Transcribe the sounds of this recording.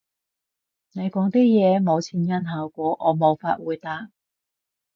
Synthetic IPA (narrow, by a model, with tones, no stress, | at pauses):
ne˨˧jkɔː˨˥ŋt̪iː˥jɛː˨˧mo˨˧wt͡sʰiː˨˧njɐ˥nɦaː˧wkʷɔː˨˥ʔɔː˨˧mo˨˧wfaː˧t̚wuː˨˧jt̪aː˧k̚